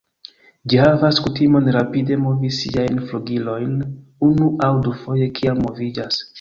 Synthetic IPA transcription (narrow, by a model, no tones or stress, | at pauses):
d͡ʒihavaskutimo̞nɾapide̞mo̞visḭajnfluɡilo̞jnunuʔawdufo̞je̞kʰiammːo̞vid͡ʒas